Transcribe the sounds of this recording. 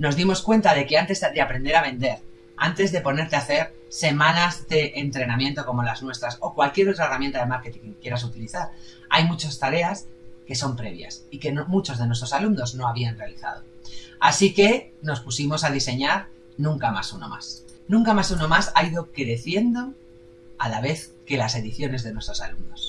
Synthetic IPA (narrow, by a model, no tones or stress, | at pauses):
no̞zðimo̞skwe̞nt̪aðe̞ke̞ant̪e̞zd̪eapɾe̞nd̪e̞ɾaβẽ̞nd̪e̞ɾ | a̰nt̪e̞zðe̞po̞ne̞ɾt̪eaθe̞ɾ | se̞mãnazðe̞ʔːnt̪ɾe̞namjẽ̞nt̪o̞ko̞mo̞laznwe̞st̪ɾaso̞kwalkje̞ɾo̞t̪ɾaeramjent̪aðe̞maɾket̪iŋkje̞ɾas̬ut̪iliθaɾ | a̰jmut͡ʃast̪aɾe̞aske̞so̞mpɾe̞̰β̞ja̰sike̞nomut͡ʃo̞zð̞e̞nwe̞st̪ɾo̞salumno̞zno̞aβ̞ianre̞aliθa̰ð̞o̞asike̞ | no̞spusimo̞sað̞ise̞ɲaɾ | nũŋkama̰suno̞̰ma̰s | nũŋkamasuno̞masaiðo̞kɾe̞θje̞nd̪o̞ | alaβ̞e̞θ | ke̞lase̞ðiθjo̞ne̞zðe̞nwe̞st̪ɾo̞salumno̞s